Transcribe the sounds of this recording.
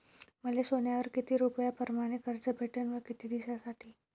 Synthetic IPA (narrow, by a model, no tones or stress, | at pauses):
məlesonjaʋəɾkit̪iːɾupjapəɾmaɽ̃ikəɾt͡səbʱeʈənʋəɾkit̪iːd̪isasaʈʰiː